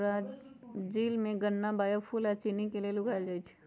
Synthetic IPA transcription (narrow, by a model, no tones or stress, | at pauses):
ɾaːd͡ʒd͡ʒiːlmẽɡənːabaːjopʰuːlat͡ʃiːnikelielʊɡʱaːld͡ʒaːit͡ʃʰi̥